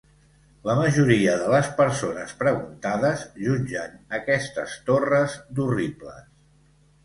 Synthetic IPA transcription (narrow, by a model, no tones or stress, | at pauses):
ləməʒuɾiəðələspəɾsonəspɾəɣunt̪aðəzʒuɲʲd͡ʒənəkɛst̪əst̪orəzd̪uriblə̰s